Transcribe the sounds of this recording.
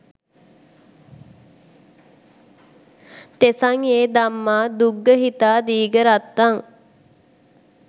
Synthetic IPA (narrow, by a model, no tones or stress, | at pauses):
t̪esaŋeːd̪amːaːd̪uɡːəɦit̪aːd̪iːɡəɾat̪ːaŋ